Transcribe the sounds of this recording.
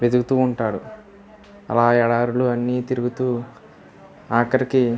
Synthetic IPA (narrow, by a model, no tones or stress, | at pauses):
ʋed̪uɡut̪uːuɳʈaːɽṵ | ɐ̰laːɛɽaːɾuluɐnːiːt̪iɾuɡut̪uː | aːkɐɾiki